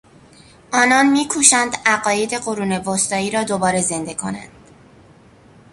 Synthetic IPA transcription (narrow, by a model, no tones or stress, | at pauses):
ʔɒːnɒːnmiːkʰuːʃænd̪æɢɒːjed̪e̞ɢoɾuːne̞vost̪ɒːiːɾɒːd̪obɒːɾe̞ze̞nd̪e̞kʰo̞̰næ̰nd̪̥